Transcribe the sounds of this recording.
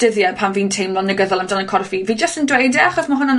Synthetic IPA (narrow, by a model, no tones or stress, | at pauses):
d̥əðjɛpʰanviːntʰejmlˠɔnːəɡəðɔlˠamdanənkʰɔrfiviːd͡ʒəstəndwejdɛaχɔsmaɦʊna